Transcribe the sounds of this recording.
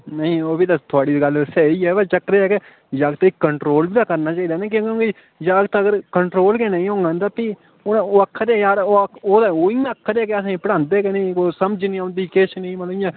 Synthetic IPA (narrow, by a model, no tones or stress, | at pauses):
nəĩːoːbiːd̪at̪ʰʊaːɽiːɡəlsɛːiːɛːʋɛːt͡ʃəkɾeːɛːke | d͡ʒaːɡt̪ɪkːəɳʈɾoːlbiːd̪aːkəɾnaːt͡ʃaːiːd̪aːnẽːkjõːkeõːɡe | d͡ʒaːɡt̪əɡəɾkəɳʈɾoːlkeːnaːĩːõːŋɡãnd̪aːpiː | ʊnoːəkʰːəd̪eːjaːɾoːoːd̪aːoːiãkʰːd̪eɛːkeəsãːĩːpəɽãːnd̪eːkenekoːsəmd͡ʒnĩːãːʊnd̪iːkɪʃnĩːmənõːijãː